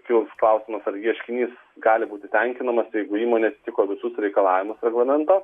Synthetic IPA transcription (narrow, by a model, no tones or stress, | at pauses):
kʲɪlˠsklˠɐˑʊsʲɪmɐsɐɾjiɛʃʲkʲɪnʲiːs | ɡɑːlʲɪbuːt̪ʲɪt̪ʲɛŋʲkʲɪnɐmɐsjɛɪɡʊiːmoːnʲeɐt̪ʲɪt̪ʲɪkoːʋʲɪsʊsɾʲɛɪkɐlˠɑːʋʲɪmʊsɾʲɛɡlˠɐmʲɛnt̪ɑ